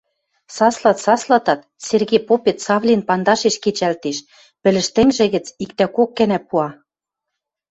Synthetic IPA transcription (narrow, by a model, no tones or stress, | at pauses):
sɑslɑt̪sɑslˠɑt̪ɑt̪̚ | serɣepopet̪sɑβlʲinpɑnd̪ɑʃeʃket͡ɕælt̪eʃ | pɘ̆lɘ̆ʃt̪ɘ̆ŋʒĕɣɘ̆t͡sik̚t̪ækokːɘnæpuɑ